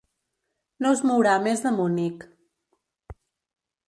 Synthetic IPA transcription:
nozmuwɾamezðəmunik

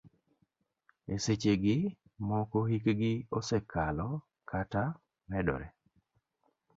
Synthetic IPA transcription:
eset͡ʃeɡɪ | mɔkɔhikɡɪosekalɔ | kʰata | mɛdɔ̰ɾɛ

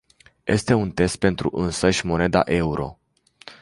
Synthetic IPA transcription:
jʔe̞̰st̪e̞unt̪e̞st̪̚pe̞nt̪ɾṵʔɨnsəʃʲmo̞ne̞d̪a̰ʔe̞uɾʔo̞̰

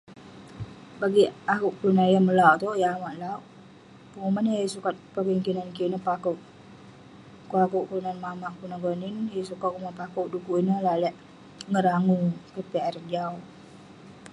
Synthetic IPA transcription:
baɡiakuʔkulunanjaməlawʔt̪ɔjaamaʔlawʔ | pəŋumanajisukat̪̚pəpiŋkinankinəpakuʔ | kuakuʔkulunanmamaʔkunaɡɔninjasukat̪̚kumapakoʔdukuʔinəlaʔlɛʔ | ŋəɾaŋukəpeaɾd͡ʒaw

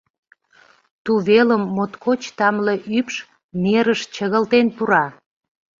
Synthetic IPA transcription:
t̪uβeləmːot̪kʰot͡ɕt̪ɑmleʔypʃ | meɾəʃt͡ɕəɣəlt̪enpuɾɑ

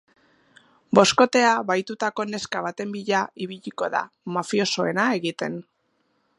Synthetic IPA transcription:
bo̞sko̞t̪e̞aβajt̪ut̪ako̞ne̞skaβ̞at̪e̞mbiʎaiβiʎiko̞ða̰ | mafio̞so̞e̞nae̞ɣit̪e̞n

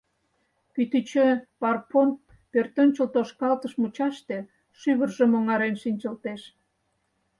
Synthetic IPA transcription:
kyt̪yt͡ɕøpɑrpon | pørt̪ənt͡ɕəlt̪oʃkɑlt̪əʃmut͡ɕɑʃt̪e̽ | ʃyβərʒə̆moŋɑɾenʃinʲt͡ɕə̆lt̪eʃ

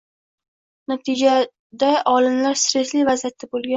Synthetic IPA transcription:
nat̪ʰɪd͡ʒa | d̪aʔɒlɪmlaɾsɾe̞slijvazijat̪ʰːabolˠɡʲa

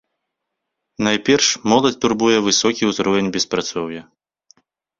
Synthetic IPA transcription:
najpʲɛrʂmɔlˠɐt͡sʲt̪urbujɛvɨsɔkʲiuzɾɔvʲɛnʲbʲɛspɾat̪sɔwjɐ

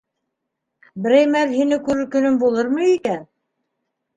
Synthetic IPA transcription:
bɘ̆ɾæjmæðɦinɘkʉɾɘɾkɵ̆nɵmbulˠɤɾmɤikæn

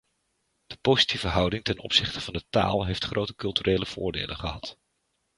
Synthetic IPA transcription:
d̥əpowzitivəɦʌwdɪŋtɛnɔ̰psɪχtəv̥ɑndəta̰ːlˠɦejftχrʔowtəkɵlˠtyrʔeːjləv̥ʊ̰ːɹdḛːlə̰nχəɦɑt

